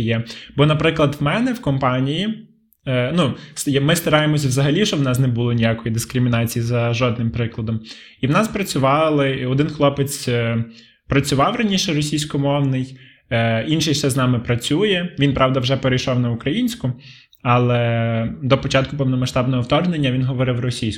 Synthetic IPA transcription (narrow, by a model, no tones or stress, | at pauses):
jɛbɔnɐpɾɪklˠɐd̪wmɛnɛwkɔmpɑnʲiji | numɪst̪ɐɾɑjemɔsʲɐʋzɐɦɐlʲiʃt͡ʃɔwnɑsnɛbulˠɔnʲijakɔjid̪ɪskɾɪmʲinɑt͡sʲijizɐʒɔd̪nɪmpɾɪklˠɐd̪ɔm | iwnɑspɾɐt͡sʲʊʋɑlˠɪɔd̪ɪnxlˠɔpet͡sʲ | pɾɐt͡sʲʊʋɑwrɐnʲiʃɛɾɔsʲijsʲkɔmɔwnɪj | inʃɪjʃsɛznɑmɪpɾɐt͡sʲujɛʋʲinpɾɑwd̪ɐwʒɛpeɾejʃɔwnɐʊkɾɐjinʲsʲkʊ | ɑlˠɛd̪ɔpɔt͡ʃɑt̪̚kʊpɛwnɔmɐʃt̪ɑbnɔɦɔwt̪ɔrnenʲːɐʋʲinɦɔʋɔɾɪwɾɔsʲijsʲ